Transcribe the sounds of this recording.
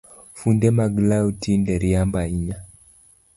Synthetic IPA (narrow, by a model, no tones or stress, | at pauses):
fundɛmaɡlautindɛɾiambaiɲa